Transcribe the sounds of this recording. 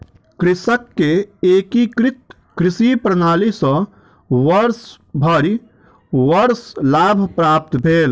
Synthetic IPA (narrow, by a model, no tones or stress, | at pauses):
kɾɪsəkːeeːkikɾɪt̪ | kɾɪsipɾənaːlisə̃ | ʋəɾs | bʱəɾ | ʋəɾslaːbʱpɾaːp̚t̪bʱeːl